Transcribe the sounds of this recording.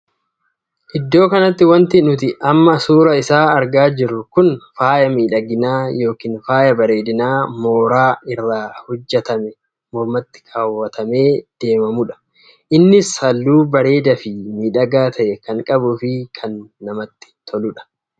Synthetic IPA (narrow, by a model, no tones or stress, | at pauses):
ʔɪd̪ːo̞ːkɐnɐt̪ːɪwɐnt̪ɪnʊt̪̬ɪʔɐmːɐsuːɾɐɪsaːɐɾɡaːd͡ʒɪɾʊkʊnfaːjɐmiːᶑɐɡɪnaːjo̞ːkiːnfaːjɐbɐɾe̞ːd̪ɪnaːmo̞ːɾaːʔɪrːaːhɔd͡ʒːɛt̪ɐmɛ | mɔɾmɐt̪ːɪ̥kʰaːwːɐt̪ɐme̞ːd̪̥e̞ːmɐmʊᶑɐ̥ | ʔɪnːɪsɐlːuːbɐɾe̞ːd̪ɐfɪmiːᶑɐɡaːt̪ʰɐʔɛkɐŋkʼɐbʊfɪkʰɐnːɐmɐt̪ːɪ̥t̪ʰɔlʊᶑɐ̥